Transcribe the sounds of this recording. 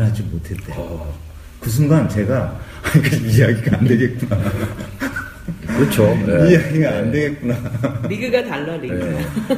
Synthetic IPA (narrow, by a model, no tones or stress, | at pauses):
ɭɦad͡ʑimotʰe̞ɭt͈e | kɯs̬ʰunɡant͡ɕe̞ɡa | aɲik͈ad͡ʑibijaɡiɡaːnde̞ɡe̞t̚k͈una | kɯɾɯt͡ɕʰoijaɡiɡaande̞ɡe̞t̚k͈unaiɡɯɡatalːʌnine